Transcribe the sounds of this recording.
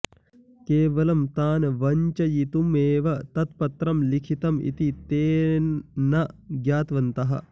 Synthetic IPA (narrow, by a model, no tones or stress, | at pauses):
keːʋɐlɐmt̪aːnʋɐɲt͡ʃɐjit̪umeːʋɐt̪ɐt̪̚pɐt̪ɾɐmlikʰit̪ɐmḭt̪it̪eː | nɐɡjaːt̪ʋɐnt̪ɐɦɐ̰